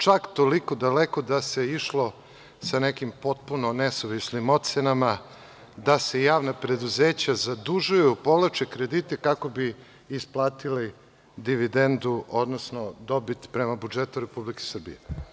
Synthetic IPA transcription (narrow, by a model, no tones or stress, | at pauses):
t͡ʂakt̪o̞liko̞d̪alekod̪ase̞iʃlo | sanekimpo̞t̪̚puno̞nesoʋisnimo̞t̪t̪senama | d̪ase̞jaːʋnapɾe̞d̪uzeːt͡ɕazad̪uʒujupo̞ʋlat͡ʃekɾe̞d̪it̪ekako̞biː | splˠaːt̪ili | d̪iʋid̪end̪uʔo̞d̪no̞sno̞d̪o̞bit̪pɾemabud͡ʒet̪uɾe̞publike̥sr̩bḭje